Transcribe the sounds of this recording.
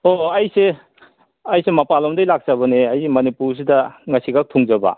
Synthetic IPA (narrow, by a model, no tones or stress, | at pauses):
oajse | ajsemɐpalɔmdɐjlak̚zabɐneajsemɐnipuɾs̬idɐŋɐsiɡak̚tʰuŋzaba̰